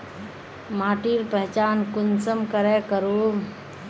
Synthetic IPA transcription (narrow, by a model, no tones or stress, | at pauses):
maːʈiːɾpəɦt͡ʃaːnkʊnsəmkəɾekəɾo